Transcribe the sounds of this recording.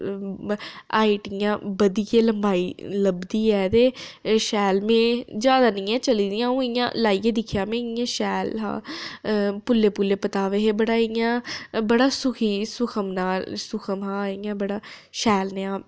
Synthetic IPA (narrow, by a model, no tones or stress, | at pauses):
aːiːʈijãːbəd̪ijeːləmbaːiːləbd̪iːɛːt̪eːʃɛːlmẽːd͡ʒjaːd̪aːnĩːɛ̃ːt͡ʃəliːd̪ijãːũːɪjã̰ːlaːiːeːd̪ɪkʰjãːmẽːɪjãːʃɛːlɦã̰ː | pʊlːeːpʊlːeːpət̪aːʋeɦebəɽaːɪjãːbəɽaːsʊkʰiːsʊkʰəmnaːlsʊkʰəmɦãːɪːãːbəɽaːʃɛːlneãː